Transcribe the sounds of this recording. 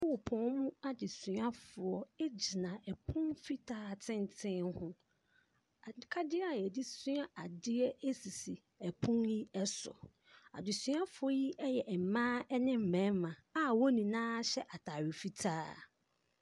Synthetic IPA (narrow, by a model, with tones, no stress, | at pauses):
ɔ˦wʊ˨pʰɔ̃˨˦n˦mũ˦a˨dɪ˨sʊ̃˨˦a˦fʊ˨ɔ˦e˦d͡ʑi˨nã˨ɛ˨pʰʊ̃˦nfi˦tʰaː˦˨tʰɪ̃˦n˨tʰɪ̃˦nhʊ̃˦ | a˨ɪ˨˦kʰa˦dɪ˦a˨ɛ˨di˦sʊ̃˦a˦ʔa˨dɪ˦ɛ˦e˦si˨si˨ | ɛ˨pʰʊ̃˦nji˦ɛ˦sɔ̰˨ | a̰˨dɪ˨sũ˨˦a˦fʊ˨ɔ˦ji˦ʔɛ˦jɛ˨ʔɛ˨m̩˨mãː˦ɛ˦nɪ̃˦m̩˨mæ̃˨˦mã˨a˦wo˦nĩ˨nãː˦ɕɛ˦ʔa˨tʰa˨ɥɪ˨fi˦tʰaː˦